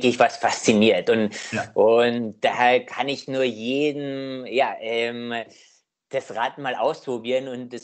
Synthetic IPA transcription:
kɪçv̥asfast͡siniːɐtʊntʔʊntd̥akʰanɪçnuːɐjeːdn̩jaːʔɛm | d̥asʁaːtn̩maːlʔa̰ʊspʁ̥obiːʁənʊntd̥ɛs

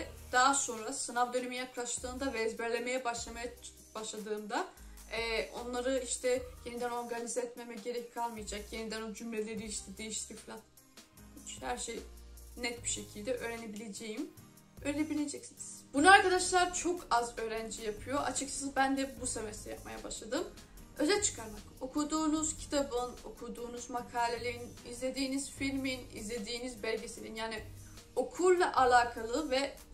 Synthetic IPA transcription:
d̪̥aːso̞nɾasɯnavd̪ønymijaklˠaʃt̪ɯːnd̪avɛːzbæɾlʲe̞me̞jɛbaʃlˠamaja | b̥aʃlˠad̪ɯːnd̪a | ɛːo̞̰nlˠaɾɯiʃt̪ʰɛje̞nid̪æno̞ɾɡanizɛɛt̪memɛɟe̞ɾɛckʰalˠmɯjad͡ʒakje̞nid̪ænod͡ʒymlʲe̞lʲe̞ɾiiʃt̪ʰɛd̪e̞jiʃt̪bifilʲˠat̪ | hit͡ʃhæɾʃejnɛt̪̚biʃe̞cʰilʲd̪ɛʔø̞ːɾe̞nebilʲe̞d͡ʒejim | øːɾlʲebilʲed͡ʒɛcsiniz̥b̥unuaɾkad̪aʃlˠaɾt͡ʃʰo̞kʰazø̞ːɾænd͡ʒijapʰɯjo̞ʔat͡ʃʰɯkt͡ʃʰḁsɯzbænd̪ɛbusevesɛja̰p̚ma̰jabaʃlˠad̪ɯm | ø̞zɛt͡ʃʰɯ̥kʰaɾmako̞kʰud̪uːnuz̥cʰi̥t̪ʰabɯno̞̰kʰud̪uːnuzmakʰaːlʲelʲinizlʲe̞d̪iːniz̥filʲminḭzlʲe̞d̪iːnizbælʲɟe̞silʲinjaːni | o̞kʰulˠlˠaʔalʲˠaːkʰalˠɯvɛ

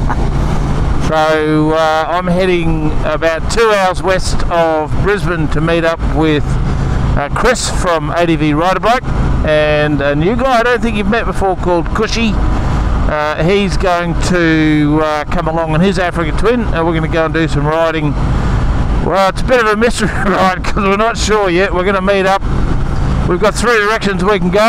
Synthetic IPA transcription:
soʊãɪ̃mɦɛɾɪ̃ŋəbaʊtʰʉaʊəzwɛstʌvbɹɪzbɨ̃ntʰɨmiɾʌpwɪð̥ | kʰɹ̥ɪsfɹʌ̃mḛɪɾiviɹaɪɾə˞bakɨ̃nɨnjʉɡaɪaɪɾõʊ̃nθɪ̃ŋkjɨvmɛt̚b̥ɨfɔɹkʰɔlˠd̚kʰʊʃi | ʔʌ | izɡoʊɪ̃ŋtʰɨ | kʰʌ̃məlɔ̃ŋɨ̃nɪzæfɹɨkɨtʰw̥ɪ̃nɨ̃nwɪɹɡʌnɨɡoʊə̃ndɨsʌ̃mɹaɪɾɪ̃ŋ | wʔɛlˠətsəbɪɾʌvɨmɪstə˞iɹaɪt̚kʰʌzwəɹnətʃʊɹjɛt̚wəɹɡʌnəmiɾʌp̚ | wivɡɑt̪̚θɹidə˞ɛkʃɨ̃nzwikn̩ɡoʊ

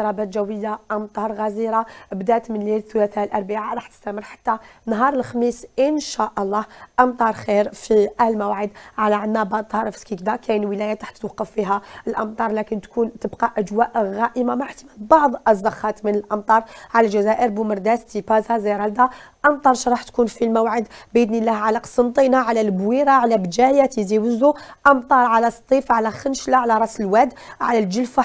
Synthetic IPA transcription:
ɾˤɑbæt̪ʒæwːəjːaʔəmt̪ˤɑɾˤɣæziɾabd̪æʔt̪mənlilθʊlæθælʔɑɾˤbəʕaɾˤɑħt̪ə̥st̪æməɾħḁt̪ːænɦɑɾˤəlxmisʔənʃæʔɑlˤːɑhʔəmt̪ˤɑɾˤxiɾfiʔælmæwaʕəd̪ʕalæʕənːæbɑʕd̪ˤt̪ɑhɑɾˤfskikd̪ækæjnwəlæjat̪aħt̪ːwɑqːəfːiɦæəlʔəmt̪ˤɑɾˤlækənt̪kunt̪əbqɑʔæd͡ʒwæʔɣæʔəmamaʕħt̪əmælbɑʕd̪ˤzˤːɑxɑt̪mənəlʔɑmt̪ˤɑɾˤʕalælʒæzæʔəɾbuməɾˤd̪æst̪ipæzazæjɾæld̪æ | ʔɑmt̪ˤɑɾˤʃɾˤɑħt̪kunfilmæwʕəd̪bʔəd̪nilːæhʕalæqsəmt̪ˤinaʕalælbwiɾaʕalæbd͡ʒæjæt̪iziwəzuʔɑmt̪ˤɑɾˤʕalæst̪ˤːifʕalæxənʃlaʕalæɾˤɑsəlwæd̪ | ʕalælʒəlfa

